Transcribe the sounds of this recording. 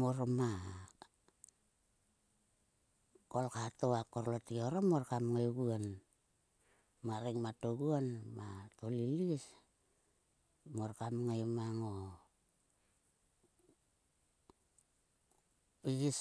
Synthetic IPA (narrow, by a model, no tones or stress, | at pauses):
moɾoma | kolkatoakoɾlotioɾomoɾkamŋaɡuan | maɾiŋmatoɡuanmatolilis | moɾkamŋajmaŋo | piɡis